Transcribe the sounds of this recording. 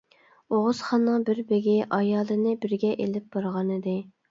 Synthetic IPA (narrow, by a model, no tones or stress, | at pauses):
oʁʊz̥χɑnːɨŋbɪɾbeɡʲiʔɑjɑːlˠɨnɨbɪɾɡʲɛʔelɪp̚b̥ɑɾʁɑnɨd̪ɪ